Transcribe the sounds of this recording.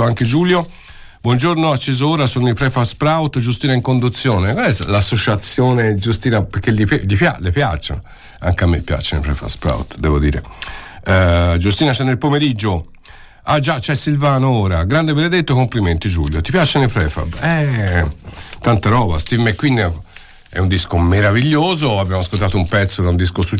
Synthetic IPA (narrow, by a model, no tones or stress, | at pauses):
oaŋked͡ʒuːljo | bwɔnd͡ʒoɾnoat͡ʃːezooːɾasonoipɾɛfaspɾawt̪d͡ʒust̪iːnaiŋkond̪ut̪sːjoːnekoɛlasːot͡ʃat̪sːjoːned͡ʒust̪iːnapeɾkːeliplipjalepja̰t͡ʃːa̰ | a̰ŋkeamːḛpːja̰t͡ʃːenḛpɾɛ̰fa̰spɾa̰wt̪d̪ɛːvod̪ḭːɾḛ | d͡ʒust̪iːnat͡ʃɛnːelpomeɾid͡ʒːo | ad͡ʒat͡ʃɛsːilvaːnooːɾaɡɾand̪ebened̪et̪ːoekompliment̪id͡ʒuʎːot̪ipjat͡ʃenepɾɛfa̰bɛ | t̪ant̪aɾɔːbast̪ivmekwinːi | ɛ̰und̪iskomeɾaviʎːoːzoabːjamoaskolt̪aːt̪oumpɛt̪sːod̪aund̪iskosu